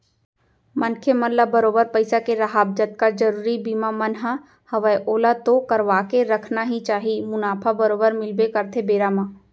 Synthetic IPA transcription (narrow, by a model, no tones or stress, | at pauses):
mɐnkʰemɐnlːabɐɾoːbəɾpɐɪsakeɾɐɦaːb̚d͡ʒət̪̚kad͡ʒɐɾuːɾibiːmamɐnɦa | hɐʋəjʔoːlat̪okɐɾʋaːkeɾɐkʰnaɦit͡ʃaːɦimʊnaːpʰabɐɾoːbəɾmɪlbekɐɾt̪ʰebeːɾaːmãː